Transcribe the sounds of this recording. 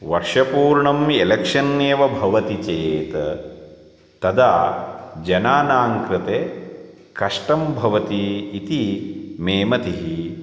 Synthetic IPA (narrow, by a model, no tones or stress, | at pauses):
ʋɐɾʂɐpuːɾɳɐmelɐkʂɐnːeːʋɐbʱɐʋɐt̪it͡ʃejeːt̪ɐ | t̪ɐd̪aːd͡ʒɐnaːnaːŋkɾɪt̪eː | kɐʂʈɐmbʱɐʋɐt̪iːt̪imeːmɐt̪iɦi